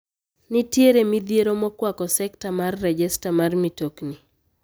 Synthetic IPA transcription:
nɪtjeɾemid̪jeɾomɔkwakɔsɛktamarːɛd͡ʒɛstamarmitokni

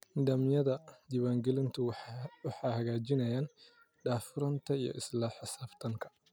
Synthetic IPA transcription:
nd̪ɐmjɐd̪ɐd̪ɪβaŋɡɪlɪnt̪uwɐħahɐɡaːd͡ʒɪnɐjan | ᶑaːfɪɾɐnt̪ɐjɔ̰ʔɪslaħasaft̪ɐŋkɐ̥

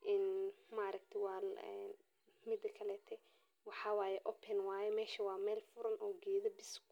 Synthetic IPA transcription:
ʔɪnmaʔɾɐk̚t̪ʰɐwɑːlɛn | mɪd̪ɐkʰɐlɛːt̪ʰɛ | wɑħɑːwaːjɛʔɔpʰɛnwaːjɛmɛːʃɐwɑːmɛːlfʊɾɐnɔːɡɛːðɐbɪsk

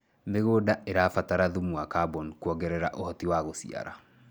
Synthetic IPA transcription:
meɣoːdaʔeɾaːfataɾaðumuakabɔnkuɔɡɛɾɛɾaʔohɔtiwaɣosḭa̰ɾa̰

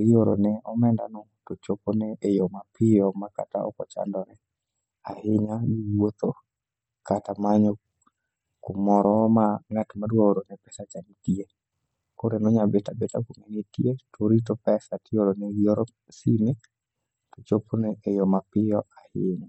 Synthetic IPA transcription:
ioɾo̰nɛɔmɛnda̰nɔ | tot͡ʃoponɛʔːjɔmapɪjɔmaka̰ta̰ɔ̰kɔ̰t͡ʃa̰ndɔnɛ | a̰hɪɲaɡiwot̪o | katamaɲɔ | kʊmɔɾɔmaŋatmadwaoɾonɛpɛsat͡ʃanitie | koɾenɔɲabetabetakomɛɲitietʰoɾit̬opɛsatɪjoɾonɛɡioɾɔ | sinɪ | tot͡ʃoponɛejɔmapɪjɔahɪɲa

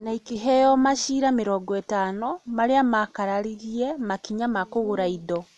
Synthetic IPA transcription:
naikiɦɛjɔmaʃiɾameɾɔɡɔetaːnɔmaɾeamakaɾaɾiɣiɛmakiɲamakoɣoɾaiðɔ

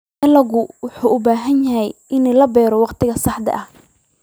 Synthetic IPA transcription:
ɐlɐɣʊwʊħuːʔʊbaːɦɐnjɐɦɛjʔɪnɛlɐbɛːɾɔwɑqt̪ʰɪɣɐsɑħd̪ɐ̰ʔɐh

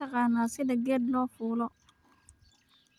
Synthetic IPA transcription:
ɐqɑːnːaːsɪdɐɡɛːd̪lɔːfuːlɔ

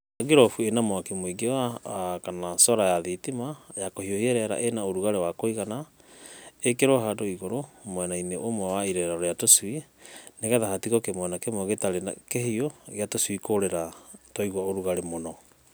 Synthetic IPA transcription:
aɡiɾɔfuenamoakemoiɡewakanasɔɾajaðitimajakohiohiɛɾɛɾa̰ʔenaoɾuɣaɾewakoiɣana | ekeɾoɦadoiɣoɾomwɛnaineʔomwɛwaiɾɛɾaɾɔɾjatoswineɣɛðahatiɣɔkemwɛnakemoɣetaɾena̰keɦioɣeatoswikoɾeɾatɔiɣwaoɾuɣaɾemonɔ

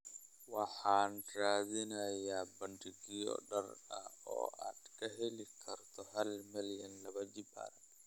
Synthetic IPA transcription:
wɑħaːnɾaːðɪnɐjaːbɐndiɡijɔ̰ɗɐrɐɔ̰ːʔa̰d̪kʰɐɦɛlikʰɐɾt̪ʰɔhɐlmɛljɐnlɐβɐd͡ʒiba̰ɾɐ

